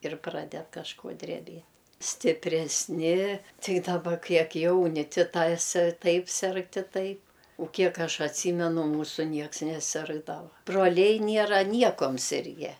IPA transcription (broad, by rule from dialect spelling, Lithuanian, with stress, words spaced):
ɪr ˈprɑːdʲɛt kɐʃˈkoː dʲrʲɛˈbʲiɛt sʲtʲɪpʲrʲɛsʲˈnʲɪ ˈtɐɪ dɐˈbɐ ˈkʲiɛk ˈjɛʊnʲɪ ˈtʲɪ ˈtɐs ˈtɐɪp ˈsʲɛrk tʲɪ ˈtɐɪp ʊ ˈkʲiɛk ˈɐʃ ɐtʲˈsʲiːmʲɛnʊ ˈmuːsʊ ˈnʲiɛks nʲɛˈsʲɪrɡdɐʋɐ broːˈlʲɛɪ ˈnʲiɛrɐ ˈnʲiɛkoːm ˈsʲɪrʲɡʲɛ